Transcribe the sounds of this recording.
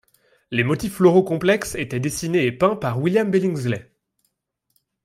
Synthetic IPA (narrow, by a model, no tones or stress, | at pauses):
lemɔt̪iflɔʁokɔ̃plɛkset̪ɛd̪esineːpɛ̃paʁwiljambelĩŋzlɛ